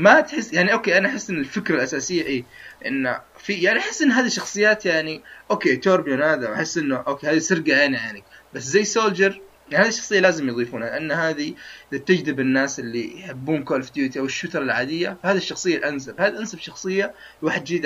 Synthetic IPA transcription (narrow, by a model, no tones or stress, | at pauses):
mat̪ħɪsːjaʕniʔoːkeːʔanaʔaħɪsːʔɪnːɪlfɪkɾalʔasaːsɪjːaʔeːʔɪ̰n̰ː | fijaʕniʔaħɪsːʔɪnːɦaːðiʃːɑxsˤɨjːaːt̪jaʕniʔoːkeːt̪oːɾbjonhaːðaʔaħɪsːʔɪnːʊʔoːkeːhaːðisɪɾɡaʔaniʕaʕnɪk̚baszajːsoːld͡ʒɑɾˤ | aɪʕnhaːðiʃːɑxsˤɨjːalaːzɪmjðˤiːfuːnhalɪʔanːhaːðiʔɪðat̪ːɪd͡ʒd̪ɪbɪnːaːsʔɪlːḭjħɪbːuːnkoːlfd̪jut̪iʔawɪʃːʊt̪ɑɾˤɑlʕaːd̪ɪjːafahaːðiʃːɑxsˤɨjːalʔans̬abhaːd̪iʔansabʃɑxsˤɨjːa | lwaːħɪd̪d͡ʒiːd̪